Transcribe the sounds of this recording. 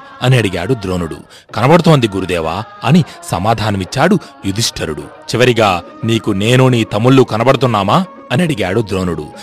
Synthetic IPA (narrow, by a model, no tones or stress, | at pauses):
ɐniɐɽiɡa̰ːɽud̪ɾo̞ːnuɽṵ | kɐnɐbɐɽut̪o̞ːnd̪iɡuɾud̪ɛːʋa̰ːɐnisɐmaːd̪ʱaːnɐmit͡ʃːaːɽu | jud̪ʱiʂʈʰɐɾuɽṵ | t͡ʃiʋɐɾiɡaː | niːkune̞ːnuːniːt̪ɐmːuɭːukɐnɐbɐɽut̪unːaːmaː | ɐniɐɽiɡaːɽud̪ɾo̞ːnuɽṵ